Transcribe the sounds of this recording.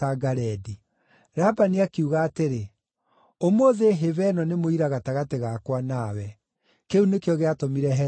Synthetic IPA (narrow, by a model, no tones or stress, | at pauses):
aɡaɾɛdi | ɾabaniakeuɣaːteɾe | omoðeɦevɛnɔnemoiɾaɣataɣateɣakwanawɛ | keunekeɔɣeatomiɾɛɦɛ